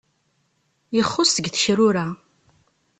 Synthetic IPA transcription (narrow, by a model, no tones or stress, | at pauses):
jəχːʊsəɡθə̥çɾʊɾa